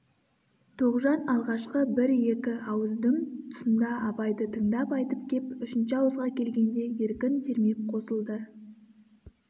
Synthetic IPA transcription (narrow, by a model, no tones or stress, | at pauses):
t̪ʰoʁʒɑnɑlˠʁɑʃqəbɪɾje̞kʲɪɑwəzd̪əŋt̪ʰʊ̥sənd̪ɑɑpɑjd̪ət̪ʰəŋd̪ɑpɑjt̪əp̚kʲʰe̞pʏʃɪnʃɪɑwəzʁɑkʲʰe̞lɡʲe̞nd̪e̞je̞ɾkʲɪnse̞ɾme̞p̚qʰo̞səlˠd̪ə